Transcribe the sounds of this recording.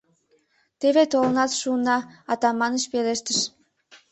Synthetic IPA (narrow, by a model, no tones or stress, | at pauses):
t̪eβet̪olənɑt̪ʃuənɑɑt̪ɑmɑnəʃpeleʃt̪əʃ